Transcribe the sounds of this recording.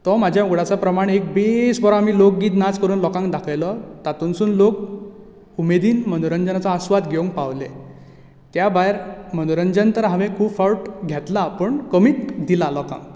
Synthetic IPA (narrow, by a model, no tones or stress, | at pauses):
t̪ɔmad͡ʑʱjauɡɽat͡sapɾəmaɽek̚besbɔɾaamiːlok̚ɡiːt̪nat͡skəɾuːnlɔkãŋkd̪akʰjlɔt̪at̪unsuːnlok̚ | umed̪iːnmənuɾəɲd͡ʑənat͡sɔasʋad̪ɡʱeũŋk̚paʋle | t̪jabajɾmənuɾənd͡ʑənt̪əɾɦaʋẽkʰuːbfawʈɡʱɛt̪lapəɳkəmiːt̪d̪ilalɔkã̰ŋk